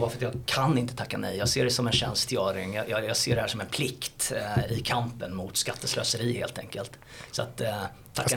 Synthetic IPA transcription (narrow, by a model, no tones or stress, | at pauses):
vaɾfəɾt̪jɑːɡkʰanɪnt̪ə̥t̪ʰakːanɛ̰jjɑːɡseːɖɛsɔmɛnɕɛnst̪jœːɾɪŋjɑjɑjɑːɡseːɖɛhæːʂɔmɛnpʰlɪkt̪ɪkʰampənmʊt̪skat̪ːəslø̰ːsəɾiːhḛːlt̪ʰɛŋkəlt̪ | sɔa̰t̪ʰː | akːa